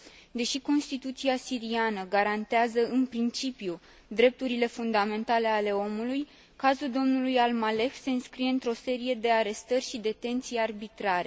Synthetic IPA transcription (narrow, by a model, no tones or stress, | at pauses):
d̪e̞ʃiko̞nst̪it̪ut̪siasiɾianəɡaɾant̪eazəɨnpɾint͡ʃipju | d̪ɾe̞p̚t̪uɾile̞fund̪ame̞nt̪ale̞ale̞o̞muluj | kazuld̪o̞mnulujalmale̞xse̞ɨnskɾije̞ɨnt̪ɾo̞se̞ɾije̞d̪e̞aɾe̞st̪ərʲʃid̪e̞t̪e̞nt̪sijearbit̪ɾaɾe̞